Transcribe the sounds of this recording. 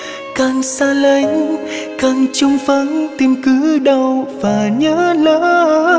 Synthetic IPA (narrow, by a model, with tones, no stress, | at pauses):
kaː˨˩ŋsaː˧lə˨˦jŋ̟ | kaː˨˩ŋt͡ɕʊ˧ŋ͡mfə˨˦ŋt̪i˧mkɨ˨˦ɗə˧˩wvaː˨˩ɲəː˧˦ləː˧˦˧